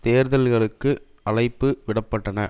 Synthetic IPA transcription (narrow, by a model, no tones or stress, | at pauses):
t̪eːɾðɐlɣɐɭɯkːɯ | ʔɐlɐɪpːɯʋɪɽɐpːɐʈːɐnɐ